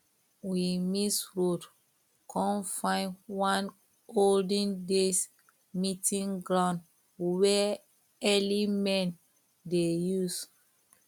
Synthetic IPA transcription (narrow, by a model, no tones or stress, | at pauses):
wimisɹod | kʰɔ̃nfãɪ̃nwãn | oldə̃ndes | mitĩŋɡɹãʊ̃nd | wɛ | ɛlimɛ̃n | dejus